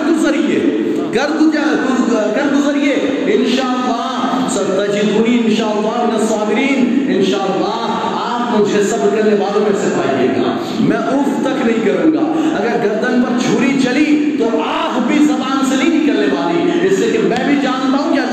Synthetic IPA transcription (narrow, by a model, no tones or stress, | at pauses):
ɾd̪ʊzɐɾieː | kɐɾd̪ʊkɐɾd̪ʊzɐɾie | ɪnʃaːɐlːaːɦ | sɐɾt̪ɐd͡ʒiːd̪bʊniɪnʃaːəlːaːɦmɪnesaːmɪɾiːnɪnʃaːəlːaː | aːpmʊd͡ʒʱesɐbkɐɾneʋaːlõmẽsɪfʰaːiliḛːɡa̰ː | mɛ̃ːʔʊːft̪ɐknɐɦĩkɐɾũːɡaːɐɡəɾɡɐɾd̪ənpɐɾd͡ʒʱuːɾit͡ʃɐlit̪oaːpbʱizɐmaːnsenɐɦĩnɪkɐlnepaːlẽːɪsleːkemɛ̃ːbʱid͡ʒaːnt̪aːɦũkja